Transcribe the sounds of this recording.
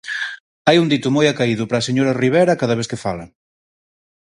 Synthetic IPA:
ajund̪it̪ʊmojakaiðʊpɾaːseɲoɾɐriβ̞eɾɐkaðɐβeθkɪfalɐ

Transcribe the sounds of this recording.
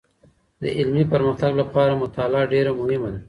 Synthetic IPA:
d̪ə̰ʔɪlmipəɾməxt̪aɡlapɑɾamʊt̪alɑːɖeɾamʊhɪmad̪a

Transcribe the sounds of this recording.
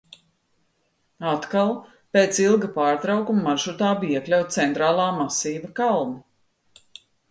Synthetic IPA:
at̪kalˠ | peːt̪silˠɡɐpaːɾt̪ɾawkumːaʒut̪aːbiiɛklʲawt̪̚t̪sɛnt̪ɾaːlˠaːmasiːvɐkalˠmi

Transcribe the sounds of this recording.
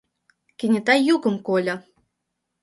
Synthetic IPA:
kʲĕnʲɘ̆t̪ɑjukɤ̆mkolʲɤ̆

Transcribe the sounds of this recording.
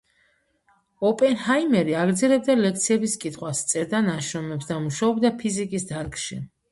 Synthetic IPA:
ɔpʼɛnhajmɛɾiaɡɾd̪zɛlɛb̚d̪alɛk̚ʰt̪sʰiɛbiskʼit̪ʰχwast̪sʼɛɾd̪anaʃɾɔmɛpsd̪amuʃaɔbd̪apʰizikʼisd̪aɾkʼʃi

